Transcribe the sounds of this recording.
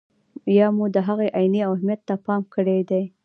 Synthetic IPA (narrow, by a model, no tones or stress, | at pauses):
jɑmud̪əɦaɣeʔajniawhmjat̪ːapɑmkəɽed̪aj